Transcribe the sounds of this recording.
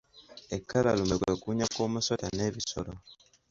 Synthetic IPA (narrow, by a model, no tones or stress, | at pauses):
ekːalalumekwekuɲakomusotaneβisolo